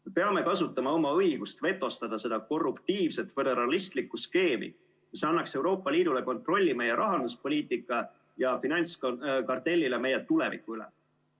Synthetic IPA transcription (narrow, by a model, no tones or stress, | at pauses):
mepe̞ɑme̞kɑsut̪ːˑɑmɑo̞mɑɤ̞jɡ̥ust̪ve̞t̪ːˑo̞st̪ɑd̪̥ɑse̞d̪ɑko̞rːupt̪iːvse̞t̪ˑfe̞d̪e̞ɾɑlist̪likːuske̞ːmḭ | misɑnːɑkse̞wɾo̞ːpːˑɑliːd̪̥ule̞ko̞nt̪ˑro̞lʲːime̞jeɾʔɑɦɑnd̪uspo̞lʲiːt̪ːˑikːˑɑ | jɑfinɑnʲt̪skkɑrt̪e̞lʲːileme̞jet̪ule̞vḭkːuylḛ